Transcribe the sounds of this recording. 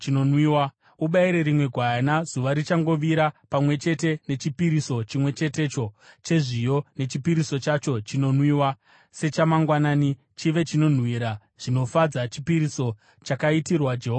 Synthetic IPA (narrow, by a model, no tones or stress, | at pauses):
t͡ʃino̞nwiːwa | uɓaiɾe̞ɾimwe̞ɡʱwanaz̥uʋaɾit͡ʃaŋɡo̞ʋiɾapamwe̞t͡ʃe̞te̞ne̞t͡ʃipiɾiso̞t͡ʃimwe̞t͡ʃe̞te̞t͡ʃo̞t͡ʃe̞ʐijo̞ne̞t͡ʃipiɾiso̞t͡ʃat͡ʃo̞t͡ʃino̞nwiːwa | se̞t͡ʃamaŋɡwanaːni | t͡ʃiʋe̞t͡ʃino̞n̤wiɾa | ʐ̥ino̞fad͡zat͡ʃipiɾiso̞ | t͡ʃakaitirwad͡ʒeɦoː